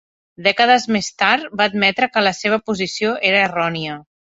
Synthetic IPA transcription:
d̪ɛkəð̞əzmest̪aɾt̪̚baːd̪mɛt̪ɾəkələseβ̞əpuzisioʔeɾəerɔniə

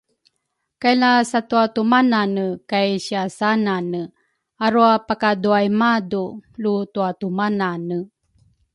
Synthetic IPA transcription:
kajlasatuatumananəkajɕiasananə | aɾuapakaduajmadulutuatumananə

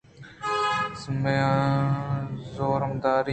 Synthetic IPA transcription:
smjãː | zoːɾmd̪aːɾi

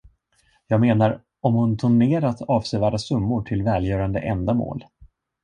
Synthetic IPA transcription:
jɑːɡmeːnaɾ | ɔmhʊnt̪ʰʊɳeːɾat̪ɑːvsɛvæːɖasɵmːʊʈʰɪlvɛːljœːɾand̪ə̰ʔɛnd̪amo̰ːl

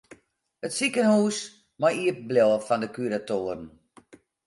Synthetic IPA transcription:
ətsikənhuːs | majiəp̚blɔwəfandəkyɾatoːəɾən

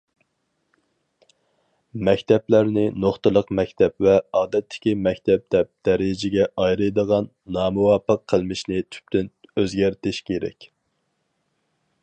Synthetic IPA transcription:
mɛkʲt̪ʰɛplæɾnɪnoχt̪ɨlˠəqmɛkʲt̪ʰɛpvɛɑːd̪ɛt̪ʰːɪ̥kʲimɛkʲt̪ʰɛp̚d̪ɛp̚d̪̥ɛɾɪd͡ʒɪɡʲɛʔɑjɾɨjd̪əʁɑnːɑːmuwɑːpʰːəqʰːəlˠmɪʃnɪt̪ʰy̥p̚t̪ʰynøzɡʲæɾt̪ɪʃkʲʰeɾɛ̰kʲ

